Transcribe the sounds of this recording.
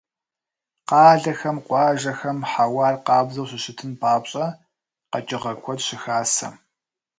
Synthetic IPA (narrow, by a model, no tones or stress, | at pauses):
qɑːɮɐxɐmqʷɑːʒɐxɐmħawɑːrqɑːbzɐwɕɪɕɪtʰɨnpɑːpɕʼɐ | qɐt͡ʃʼɪʁɐkʷʰɔtɕɪxaːsɐ̰m